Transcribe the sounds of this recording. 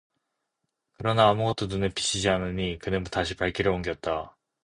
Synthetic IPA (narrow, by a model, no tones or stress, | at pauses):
kɯɾʌnaːmuɡʌt̚t͈onunɯpi̥ɕ͈ʰid͡ʑiɦanɯɲikɯnɯnbutaɕʰipaɭk͈ʰiɾʌoŋɡjʌt̚t͈a